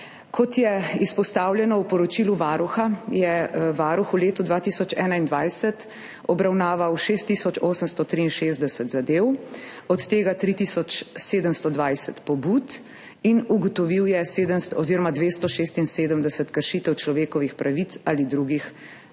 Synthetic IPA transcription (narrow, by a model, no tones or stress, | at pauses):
kʰɔt̪jɛispɔst̪aːwljɛnɔwpɔɾɔt͡ʃiːluʋaːɾuxajɛʋaːɾuxuleːt̪ud̪ʋaːt̪isɔt͡ʃɛːnaind̪ʋajsət̪ | ɔbɾawnaːʋawʃeːst̪ːisɔt͡ʃoːsəmst̪ɔt̪ɾiːnʃeːzd̪ɛsət̪zad̪eːw | ɔt̪ːeːɡat̪ɾit̪iːsɔt͡ʃseːd̪əmst̪ɔd̪ʋajsɛt̪pɔbuːt̪ | inuɡɔt̪ɔʋiwjɛseːd̪əmst̪ɔziɾɔmad̪ʋeːst̪ɔʃeːst̪inseːd̪əmd̪ɛsət̪kəɾʃiːt̪əwt͡ʃlɔʋeːkɔʋixpɾʔaʋit̪saːlid̪ɾuɡix